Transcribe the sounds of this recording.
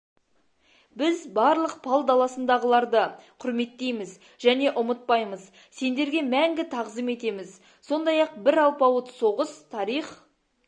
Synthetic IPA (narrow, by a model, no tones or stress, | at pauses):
bɪzbɑɾlˠəq̚pʰɑlˠd̪ɑlˠɑsənd̪ɑʁəlˠɑɾd̪əqʰʊɾme̞t̪ːe̞jmɪz | ʒæne̞ʔʊmət̪̚pɑjməz | se̞nd̪e̞ɾɡʲe̞mæŋɡʲɪt̪ʰɑʁzəme̞t̪e̞mɪz | so̞nd̪ɑjɑq̚bɪɾɑlˠpɑwət̪so̞ʁəst̪ʰɑɾiχ